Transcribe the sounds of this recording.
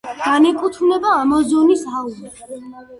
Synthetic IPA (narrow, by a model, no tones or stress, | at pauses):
ɡ̥anɛkʼut̪ʰmnɛbaːmɔzɔnisauzi